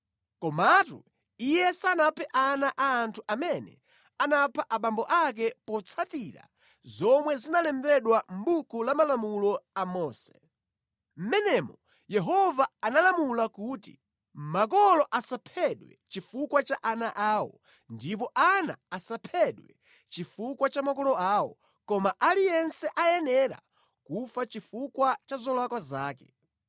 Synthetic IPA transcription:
kɔmatṵ | ijɛsanapʰɛʔanaʔaːntʰuʔamɛnɛ̰ | anapʰaʔaɓambɔʔak̬ɛpɔt͡sʰatiɾa̰ | zɔmwɛzinalɛmbɛɗwam̩bukulamalamulɔamɔːsɛ̥ | m̩mɛnɛmɔ | jɛɦɔvaanalamulakuːtḭ | mak̬ɔlɔʔasapʰɛɗwɛ̰t͡ʃifukwat͡ʃaʔanaʔaːwɔ̰ | ndipɔʔana̰asapʰɛɗwɛ̰ | t͡ʃifukwat͡ʃamakɔlɔaːwɔ̰ | kɔmaʔalijɛnsɛʔajɛnɛɾa̰ | kufat͡ʃifukwat͡ʃazɔlwakwazaːkɛ

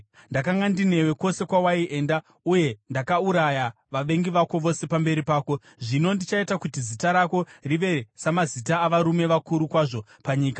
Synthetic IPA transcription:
ndakaŋɡandine̞we̞ko̞se̞kwawaiʔe̞ːnda | uje̞ndakauɾaja | ʋaʋe̞ŋɡiʋako̞ʋo̞se̞pambe̞ɾipaːko̞ | ʐino̞ndit͡ʃaitakutizitaɾako̞riʋe̞samazitaːʋaɾume̞ʋakuɾukwaʐo̞ | paɲiːka

